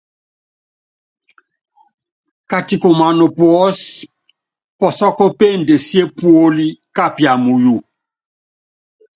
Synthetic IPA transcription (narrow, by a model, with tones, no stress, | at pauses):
ka˨ti˨ko˨ma˨no˨pwɔ˦s | pɔ˨sɔ˦kɔ˦pe˦˨nde˨si˦e˦pwo˦li˦ka˦˨pja˨mu˨ju˦˨